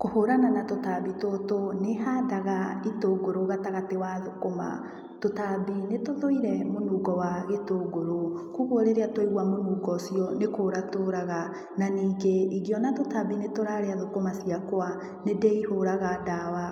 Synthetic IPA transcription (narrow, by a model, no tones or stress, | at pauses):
kohoɾananatotabitotonehaːdaɣaitoɡoɾoɣataɣatewaðokoma̰ | totabinetoðoiɾɛmonuːɡɔwaɣetoɡoɾokuɣoɾeɾeatoiɣwamonuːɡɔsjɔnekoɾatoɾaɣa | naniːɡeiɣiɔnatotabinetoɾaɾeaðokomasiakwa | nedeihoɾaɣadawa